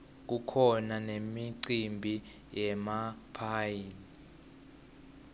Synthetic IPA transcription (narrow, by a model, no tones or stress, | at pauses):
k̬ukʰɔnanemiǀimbʱi | jɛmapʰaːjini